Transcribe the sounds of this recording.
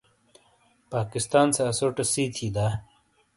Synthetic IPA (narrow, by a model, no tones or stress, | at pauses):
paːkist̪aːnsɐːsoːʈɐsiːt̪ʰiːd̪aː